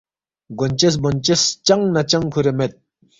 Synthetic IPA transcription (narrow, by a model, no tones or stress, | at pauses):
ɡont͡ɕes̬bont͡ɕest͡ɕaŋnat͡ɕaŋkʰoɾemet̪̚